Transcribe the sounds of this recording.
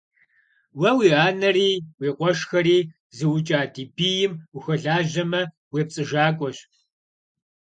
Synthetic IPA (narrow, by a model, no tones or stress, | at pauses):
wɐwiːaːnɐriːwiːqʷʼɔʂxɐɾiː | zɨwʊt͡ʃʼaːdiːbijɪmuxɐɮaːʒɐmɐ | weːp̚t͡sʼɨʒaːkʷʼɔɕ